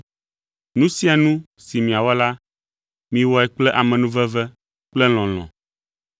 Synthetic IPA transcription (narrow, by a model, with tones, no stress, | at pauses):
nũ˦si˦a˨nũ˦ | si˨mĩ˨a˨wɔ˦la˦ | mĩ˦wɔ˦ɛ˨k͡plɛ˦ʔa˨mɛ̃˨nũ˦vɛ˦vɛ˦ | k͡plɛ˦l̃ɔ̃˨l̃ɔ̰̃˨